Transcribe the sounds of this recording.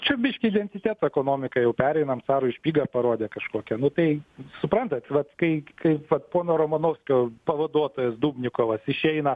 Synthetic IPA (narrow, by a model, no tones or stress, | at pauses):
t͡ʃʲɛbʲɪʃʲkʲɪɪd̪ʲɛnʲt̪ʲɪt̪ʲæːt̪oːɛkoːnoːmʲɪkɐjɛʊpʲæːɾʲɛɪnɐmt̪sɑːɾoɪʃʲpʲiːɡɐpɐɾoːd̪ʲekɐʃkoːkʲɛnʊt̪ɐɪsʊpɾɐnt̪ɐt̪ʋɐt̪kɐɪkɐɪʋɐt̪poːnoːɾomɐnoːʊsʲkʲoːpɐʋɐd̪uɔt̪oːjɛsd̪uːbʲnʲɪkoːʋɐsɪʃʲɛɪnɐ